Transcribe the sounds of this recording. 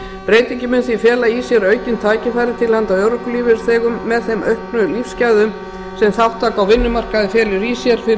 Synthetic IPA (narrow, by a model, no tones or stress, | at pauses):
pɾeːjt̪eɲcɪmʏnθifjɛːlaisjɛɾœːɥcɪnt̪ʰaːcɪfaːjɾɪt̪ʰɪlhant̪awœːwɾɔhkʏliːvɪɾ̥θɛːɣʏmːɛðθejmœɥhpnʏlifscajðʏm | sɛmθawht̪ʰːaːkawvɪnːʏmar̥kaðɪfjɛːlʏɾisjɛɾ̥fɪ